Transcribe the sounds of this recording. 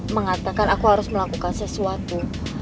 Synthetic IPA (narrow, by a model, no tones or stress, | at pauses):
məŋat̪akanakuhaɾʊsməlakukansəsuat̪u